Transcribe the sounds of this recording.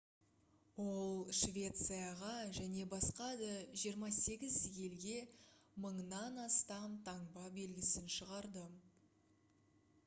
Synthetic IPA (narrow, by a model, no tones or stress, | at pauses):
wo̞lˠʃvʲe̞t̪sɨjaʁɑʒæne̞bɑsqɑd̪əʒijəɾmɑse̞ɡʲɪzje̞lɡʲe̞məɴnɑnɑst̪ɑmt̪ʰɑɴbɑbe̞lɡʲɪsɪnʃəʁɑɾd̪ə